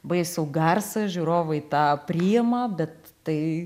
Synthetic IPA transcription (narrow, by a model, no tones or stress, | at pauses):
bɐɪsʲɛʊɡɐrsɐʒʲuɾoːʋɐɪt̪ɑːpʲɾʲiːɛmɐbʲɛt̪tɐɪ